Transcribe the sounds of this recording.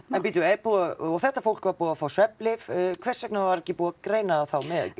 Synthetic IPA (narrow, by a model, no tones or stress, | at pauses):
ɛnpiːt̪ʏɛpuaɔɣθɛht̪ːafowl̥kvaɾpuːafawswɛplɪvkʰvɛr̥sɛknavaɾɛhcːɪpuːakɾeːjnaaθawmɛð